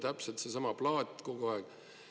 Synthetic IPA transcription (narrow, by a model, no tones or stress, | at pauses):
t̪æpselt̪sesɑmɑplɑːd̪ʲko̞ɡuɑɛɡ̥